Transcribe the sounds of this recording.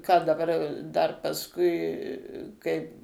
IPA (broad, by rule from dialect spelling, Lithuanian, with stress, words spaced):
kɑː dɐˈbɐr dɐr pɐsˈkʊɪ ˈkɐɪp